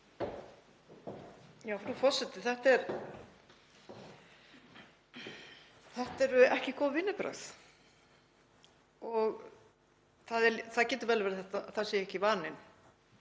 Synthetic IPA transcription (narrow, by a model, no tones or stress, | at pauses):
jaːwfɾufɔɾ̥sɛt̪ɪθɛht̪ɛɾ | θɛht̪ɛɾʏɛhcɪkɔːwvɪnːɪpɾœ̰θ | ɔɣ | θaðɛθaðcɛːt̪ʏɾvɛlɪvɛːɾɪθɛt̪aθaðsɛːjɛhcɪvaːnɪn